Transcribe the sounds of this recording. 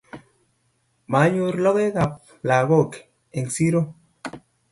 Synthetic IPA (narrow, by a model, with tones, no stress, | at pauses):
ma˨˦ɲu˦ɾlo˦ɣe˦ɣa˨p̚ | la˨ɣo˦˨k | e˨ŋsi˦ɾo˦